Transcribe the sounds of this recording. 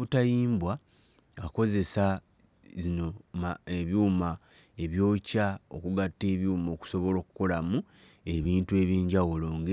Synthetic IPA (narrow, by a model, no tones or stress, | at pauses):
βutajiːmbwa | ako̞ze̞sa | zino̞maeβjuːma | e̞βjo̞ːcao̞̰kuɡatːe̞ːβjuːmo̞ːku̥so̞βo̞lo̞ːku̥ko̞lamu | e̞βiːntue̞βiːɲɟawulo̞ːŋɡe